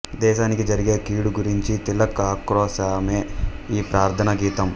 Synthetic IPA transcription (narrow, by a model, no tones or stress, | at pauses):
d̪ɛːʃaːnikid͡ʒɐɾiɡe̞ːkiːɽuɡuɾiɲt͡ʃit̪ilːɐkɐkɾɔːsaːmeːiːpɾaːɾt̪ʰɐnɐɡiːt̪ɐm